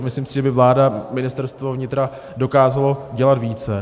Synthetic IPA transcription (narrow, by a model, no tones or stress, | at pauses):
mɪslimsɪʒɛbɪvlaːdamɪnɪst̪ɛɾst̪vovɲɪt̪ɾa | dokaːzalo̞ɟɛlat̪viːt͡sɛ